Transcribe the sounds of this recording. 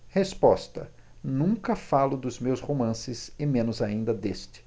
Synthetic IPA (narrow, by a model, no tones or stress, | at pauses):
hespɔst̪ɐ̰ | nũŋkɐfalʊd̪ʊzmewshomɐ̃sɪzɪmẽnʊzaĩnd̪ɐd̪est͡ʃɪ̥